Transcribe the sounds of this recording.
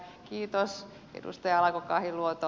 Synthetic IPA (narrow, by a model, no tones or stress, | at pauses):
kiːt̪os | ḛdṵst̪ɑjɑɑlɑkokɑːhiluot̪o